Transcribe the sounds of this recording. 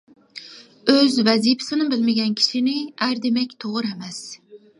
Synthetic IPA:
øzvɛzipʰɪ̥sɪnɪbɪlmɪɡʲɛnkʲʰi̥ʃinɪæɾd̪emɛkʲt̪ʰoʁɨɾɛmɛs

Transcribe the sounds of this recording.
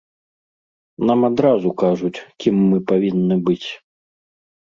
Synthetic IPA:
namad̪ɾazukaʐut͡sʲkʲimːɨpavʲinːɨbɨt͡sʲ

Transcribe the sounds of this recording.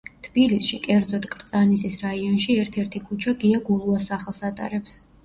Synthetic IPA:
t̪ʰb̥ilisʃikʼɛɾd̪zɔt̪ʼkʼɾt̪sʼanisisɾaiɔnʃiɛɾt̪ʰɛɾt̪ʰikʰut͡ʃʰaɡiaɡulˠuasaχlˠsat̪ʼa̰ɾɛps

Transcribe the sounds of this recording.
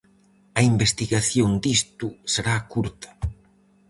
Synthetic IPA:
ɐimbest̪iɣaθjond̪ist̪useɾakuɾt̪ɐ̥

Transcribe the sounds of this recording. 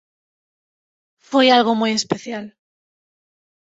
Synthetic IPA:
fwejalɣomuje̞speθjal

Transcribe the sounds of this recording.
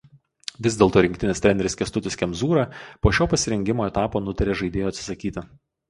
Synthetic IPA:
ʋʲɪzd̪ʲeːlˠt̪oːɾʲɪŋkt̪ʲɪnʲɪst̪ʲɾʲɛːnʲɛɾʲɪskʲɛst̪ʊt̪ʲɪskʲɛmzuːɾɐpoːʃʲoːpɐsʲɪɾʲɛŋʲɡʲɪmoːɛt̪ɑːpoːnʊt̪ɐɾʲeːʒɐɪd̪ʲeːjoːt̪sʲɪ̥sɐkʲiːt̪ʲɪ

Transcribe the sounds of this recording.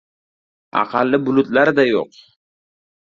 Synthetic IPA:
a̰qʰɑlːɪbʊlʊt̪laɾɪd̪ajo̰q

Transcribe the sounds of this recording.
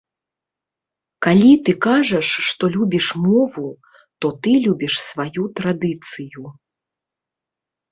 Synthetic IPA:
kalʲit̪ɨkaʐɐʂːt̪ɔlʲubʲiʂmɔvu | t̪ɔt̪ɨlʲubʲiʂsvajut̪ɾad̪ɨt̪sɨju

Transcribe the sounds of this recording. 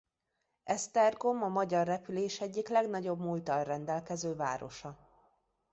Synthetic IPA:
ɛst̪ɛrɡomɒmɒɟɒrːɛpyleːʃɛɟːiklɛɡnɒɟo̞bmult̪ɒlrɛnd̪ɛlkɛzøːva̰ːɾo̞̰ʃɒ

